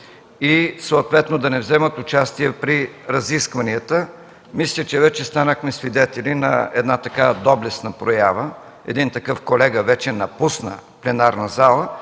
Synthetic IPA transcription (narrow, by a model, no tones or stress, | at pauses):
isoot̪vɛt̪nod̪ɐnɛvzɛmət̪ʊt͡ʃast̪iɛpɾiɾɐziskvɐniət̪ə | mislʲət͡ʃɛvɛt͡ʃɛst̪anəxmɛsvid̪ɛt̪ɛlʲinɐ̰ɛd̪nat̪ɐkavd̪ɔblɛsnəpɾojavə | ɛ̰d̪int̪ɐkɤfkolɛɡəvɛt͡ʃɛnɐpusnə̰plɛnaɾnɐzalˠə